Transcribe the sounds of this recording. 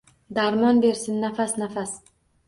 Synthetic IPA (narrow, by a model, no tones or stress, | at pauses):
d̪aɾmɒnbe̞ɾsɪnːafasnafas